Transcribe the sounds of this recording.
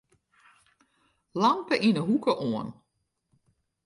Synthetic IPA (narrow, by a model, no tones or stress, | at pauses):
lɑmpəʔinəɦukəʔoən